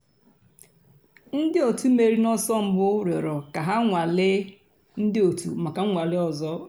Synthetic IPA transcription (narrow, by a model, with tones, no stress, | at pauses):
n̩˦dɪ˦o˨tu˦me˨ɾi˦nɔ˦sɔ˦m̩˦bʊ˦ɾe˨ɾɔ˨ka˨ɦa˦ŋʷa˨lɪ˦ | n̩˦dɪ˦o˨tʰṵ˨ma˨ka˨˦ŋʷa˨lɪ˦ɔ˨zɔ˦